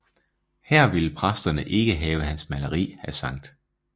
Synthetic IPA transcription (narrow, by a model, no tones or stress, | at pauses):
hæɐ̰ʋiləpʰʁasd̥ɐnəʔe̝ɡ̥əɦɛːʊəɦænsmæləʁḭːhæsɑ̈ŋ̰d̥